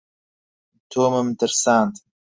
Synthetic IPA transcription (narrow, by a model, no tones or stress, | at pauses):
t̪ʰoːməmt̪əɾsaːnt̪